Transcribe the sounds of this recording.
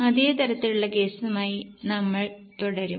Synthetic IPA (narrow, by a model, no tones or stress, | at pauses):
ɐðe̞ːt̪ɐɾɐt̪ːiluɭːɐke̞ːsumaːjinɐmːɐɭt̪uɽɐɾum